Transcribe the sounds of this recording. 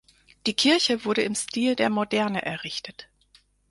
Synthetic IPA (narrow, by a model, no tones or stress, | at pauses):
d̥iːkʰɪɐçəvʊɐɾəɪmstiːldeːɐmodɛɐnəʔɛɐʁɪçtʰət